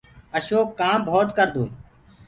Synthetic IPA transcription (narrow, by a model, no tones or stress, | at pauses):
əʃoːkːaːmbʱoːt̪kəɾd̪ũː